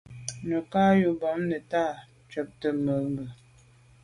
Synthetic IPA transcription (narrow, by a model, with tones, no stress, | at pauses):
nə˨ka˦ju˨˦bɔ˨˦mnə˨ta˦˨ | t͡ʃə˨˦p̚tə˦mə˨˦mbə˨